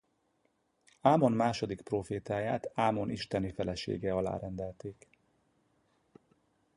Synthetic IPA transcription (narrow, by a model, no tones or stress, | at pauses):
aːmo̞nmaːʃo̞d̪ikproːfeːt̪aːjaːt̪aːmo̞niʃt̪ɛnifɛlɛʃḛːɡɛɒla̰ːɾɛnd̪ɛlt̪eːk